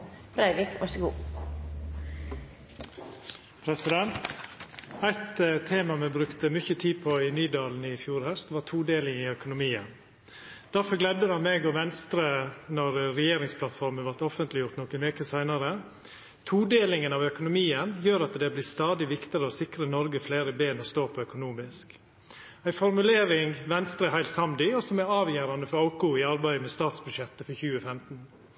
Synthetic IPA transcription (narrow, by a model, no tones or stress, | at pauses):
b̥ɾæɪʋɪkʋɑʂəɡṵː | pʰɾɛsɪd̪ɛnt̪ | æɪt̪t̪ʰːeːmɑmɛbɾʉkt̪əmʏçət̪ʰiːd̪̚pʰɔɪnyːd̪ɑːln̩ɪfjuːɾhœst̪ʋɑːʈ̪ʰuːd̪eːlɪŋɪœkʊnʊmiːə̰n | d̪̥æɾfɔɾɡlɛd̪əhɑnmeːɡɔʋɛnst̪ɾənɔɾɾɛjeːɾɪŋspʰlɑt̪fɔɾmənʋɑɾʈ̪ɔfənt̪lɪjʊɾʈt̪nɔkəʋeːkəsæɪnɑɾə | t̪ʰuːd̪eːlɪŋənɑʋœkʊnʊmiːənjøːɾɑt̪d̪ɛblɪːst̪ɑːd̪ɪʋɪkt̪ɪɾəɔsɪkɾənɔɾɡəfleːɾəbeːnɔst̪oːpʰɔœkʊnuːmɪsk | æɪfɔɾmʉleːɾɪŋʋɛnst̪ɾəhæɪlsɑmd̪ɪɔsɔmæɾɑːʋjæːɾɑnd̪əfɔɾɑʊkʊɪɑɾbæɪmɛst̪ɑːt̪sbʉdʂɛt̪ːəfɔçʉːəfɛmt̪n̩